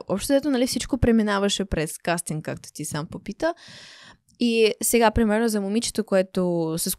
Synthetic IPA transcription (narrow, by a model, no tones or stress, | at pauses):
ɔ̰pʃt̪od̪ɛt̪onɐlifsit͡ʃkopɾɛminavɐʃɛpɾɛskast̪inkakt̪o̥t̪isampopit̪ə | isɛɡapɾimɛɾnozɐmʊmit͡ʃɛ̥t̪okoɛt̪osɛs